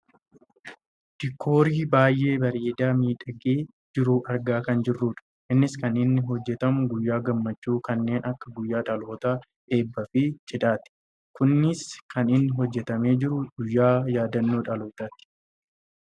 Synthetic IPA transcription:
d̪̥ɪkʰːo̞ːɾiːbaːjːʔe̞ːbɐɾeːd̪aːmiːᶑɐɡeː | d͡ʒɪɾuːʔɐɾɡaːkɐnd͡ʒɪrːuːᶑɐ̥ | ʔɪnːɪskɐnɪnːɪɦɔd͡ʒːɛt̪ɐmʊɡʊjːaːɡɐmːɐt͡ʃːuːkɐnːe̞ːnɐkːɐɡʊjːaːᶑɐlo̞ːt̪aː | ᶑe̞ːbːɐfɪt͡ʃʼɪᶑ̪aːt̪ɪ̥ | kʊnːɪskɐnɪnːɪɦɔd͡ʒːɛt̪ɐme̞ːd͡ʒɪɾʊɡ̥ʊjːaːjaːd̪ɐnːoːᶑɐlo̞ːt̪aːt̪ɪ̥

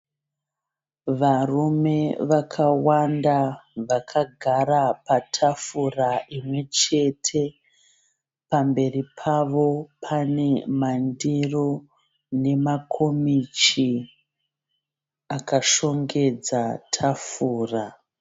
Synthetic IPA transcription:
ʋarume̞ʋakʰawandaʋakʰaɡʱaɾapatʰafuraʔimwe̞t͡ʃe̞tʰe̞ | pambe̞ripʰaʋo̞pʰane̞mandiro | ne̞makʰomit͡ʃi | akaʃo̞ŋɡe̞d͡zatʰafuːra

